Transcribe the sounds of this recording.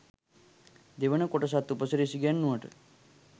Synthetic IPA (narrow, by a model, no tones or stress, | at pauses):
d̪eʋənəkoʈəs̬at̪ːupəsəɾəisiɡanːuʋəʈə̰